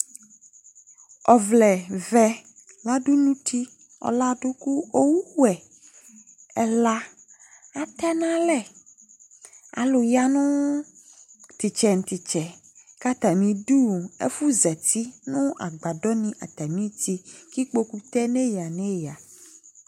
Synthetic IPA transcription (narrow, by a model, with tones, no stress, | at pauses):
ɔ˨vlɛ˨vɛ˦ | la˦ɖu˦nũ˦t̪ʰi˦ | ɔ̰˨la˦ɖo˦ku˦o˦wu˦wɛ˨ | ɛ˨la˦ | a˨t̪ɛ˦nã˦lɛ˦ | a̰˨lo˨ja˦nũ˦ | t̪i˨t͡ʃɛ˨ŋ˨t̪i˨t͡ʃɛ˨ | ka˦t̪a˨mĩ˨ɖu˦˨ḛ˦fu˦zɛ˨t̪i˦nũ˦a̰˨ɡ͡ba˨ɖɔ˦nĩ˦ʔa˨t̪a˨mĩ˦t̪i˦ki˦k͡po˦ku˦t̪ɛ˦nɛ̃˦ja˨nɛ̃˦ja˨